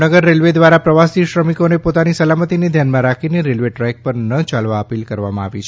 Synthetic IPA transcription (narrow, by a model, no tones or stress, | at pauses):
nəɡəɾːelʋed̪ʋaɾapɾəʋasiʃɾəmikonepot̪anisəlamət̪ined̪ʱjanmãɾakʰineɾelʋeʈɾɛjk̚pəɾnət͡ʃalʋaəpilkəɾʋamãa̰ʋit͡ʃʰ